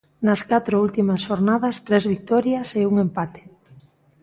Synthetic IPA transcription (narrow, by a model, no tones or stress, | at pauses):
nɐskat̪ɾoult̪imɐsʃoɾnaðɐst̪ɾezβik̚t̪ɔɾjɐseuŋempat̪e̥